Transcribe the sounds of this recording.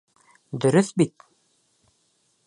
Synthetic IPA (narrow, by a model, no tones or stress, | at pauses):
d̪ɵ̆ɾɵθbit̪̚